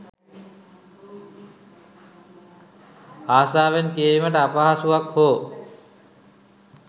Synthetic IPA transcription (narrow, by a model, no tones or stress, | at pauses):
aːsaːʋenkeːʋiməʈəapaɦasuakhoː